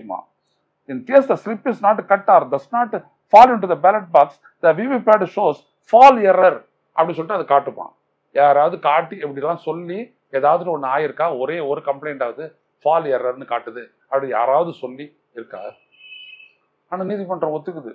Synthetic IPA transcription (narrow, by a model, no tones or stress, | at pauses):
mã̰ː | ɪnt̪eːsd̪ɐslɪpːɪsnaːʈːkɐʈːaːɾdɐsnaːʈ | faːlɪɳʈ̬uðɐbæːlɐʈ̚baːks | d̪ɐʋiʋipaːɖʃoːs | faːlɪɐɾɐɾ | ʔɐpːɐɽisɔlːʈːãːɐðɯkaːʈːɯpːã̰ː | jaːɾaːʋɐðɯkaːʈːiɛpːɐɽɪlːãːsɔlːi | eːðaːʋɐðɯɾ̃ɔnːɯaːjɪɾɯkːaːɔɾeːɔɾɯkɐmpleɪɳʈaːʋɐðɯ | faːlɪɐɾɐɾnɯkaːʈːɯðɯ | ɐpːɐɽija̰ːɾaːʋɐðɯsɔlːi | ɪɾɯkːa̰ː | aːnaːniːðipɐɳɖɾɐ̃ɔt̪ːɯkːɯðɯ